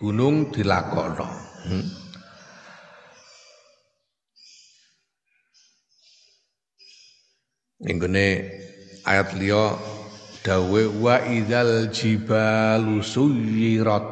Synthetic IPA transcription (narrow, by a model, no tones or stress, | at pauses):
ɡ̥ṳnʊŋd̪̥i̤la̰kɔ̰nɔ̰ | ḭŋɡone | ʔa̰jat̪lijɔ | d̪̥a̤uwewaʔiðald͡ʒib̥alusuiɾɔt̪̚